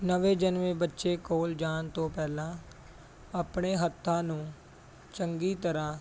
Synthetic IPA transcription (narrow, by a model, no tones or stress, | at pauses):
nəʋeːd͡ʒənʋẽːbətːʃeːkoːld͡ʒaːnt̪õːpɛːlãː | əpɳeːɦət̪ʰːãːnũː | t͡ʃəŋɡiːt̪əɾãː